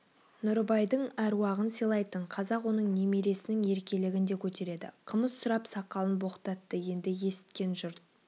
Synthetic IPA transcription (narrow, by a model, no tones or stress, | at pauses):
nʊɾbɑjd̪əɴæɾwɑʁənsijlˠɑjt̪əɴqʰɑzɑqwo̞nəɴnemeɾe̞sɪnɪŋe̞ɾkʲe̞lɪɡʲɪnd̪e̞kʲʰɵt̪e̞ɾe̞d̪ɪ̰qʰəməzsʊɾɑpsɑqːɑlˠənbo̞qə̥t̪ɑt̪ːəje̞nd̪ɪje̞sɪ̥t̪̚kʲe̞nʒʊɾt̪̚